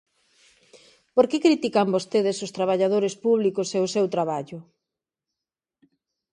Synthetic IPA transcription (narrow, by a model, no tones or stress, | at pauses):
poɾkekɾit̪ikambost̪eðesost̪ɾaβ̞aʎað̞oɾespuβlikoseʊsewt̪ɾaβaʎʊ